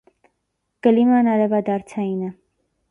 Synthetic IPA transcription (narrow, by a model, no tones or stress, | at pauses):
kəlimɑnɑɾɛvɑd̪ɑɾt͡sʰɑjinə